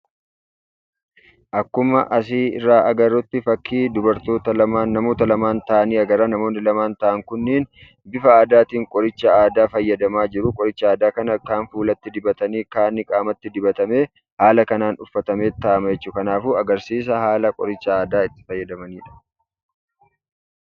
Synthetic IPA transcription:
ʔɐkːʊmɐʔɐs̬iːɪ̰rːaːʔɐɡɐɾːɔt̪ːɪfɐkːiːd̪ʊbɐɾt̪o̞ːt̪ɐlɐmaːnːɐmo̞ːt̪ɐlɐmaːnt̪ɐʔɐniːɐɡɐɾanɐmo̞ːnːɪlɐmaːnt̪ɐʔɐŋkʊnːeːn | bɪfɐaːd̪aːt̪iːŋkʼɔɾɪt͡ʃːɐaːd̪aːfɐjːɐd̪ɐmaːd͡ʒɪɾʊkʼɔɾɪt͡ʃːɐaːd̪aːkɐnɐkːaːnfuːlɐt̪ːɪd̪ɪbɐt̪ɐniːkaːnːɪkʼaːmɐt̪ːɪd̪ɪbɐt̪ɐme̞ː | haːlɐkɐnaːnʊfːɐt̪ɐme̞ːt̪ːɐːʔɐmɐjɛt͡ʃːuːkɐnaːfuːɐɡɐɾsiːs̬ɐhaːlɐkʼɔ̰ɾɪt͡ʃːɐaːd̪aːɪt̪ːɪ̥fɐjːɐd̪ɐmɐniːᶑɐ̥

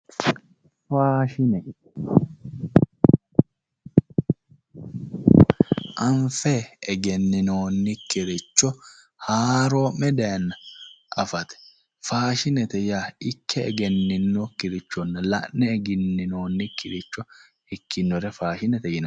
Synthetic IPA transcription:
faːʃɪnɛ | ʔɐɱfɛːɡɛnːɪnoːnːɪkːɪɾɪt͡ʃːɔ | haːɾoːmɛd̪ɛnːɐʔɐfɐt̪ɛ̥ | faːʃɪnɛt̪ɛjaːɪkʰːɛɛ̰ɡɛnːɪnːɔkɪɾɪt͡ʃːɔnːɐlɐ̰ʔnːɛːɡɪnːɪno̞ːnːɪkːɪɾɪt͡ʃːɔ | ɪkːɪnːɔɾɛfaːʃɪnɛt̪ɛjɪnɐ

